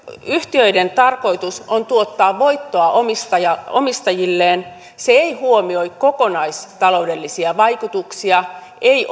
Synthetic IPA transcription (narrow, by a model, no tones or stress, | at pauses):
yht̪iøident̪ɑrko̞it̪usont̪uot̪ːɑːʋʋo̞it̪ːoɑʔomist̪ɑjɑomist̪ɑjilːeːn | seeihuomio̞ikko̞konɑist̪ɑlo̞ude̞lːisiɑʋɑikut̪uksiɑ | ʔei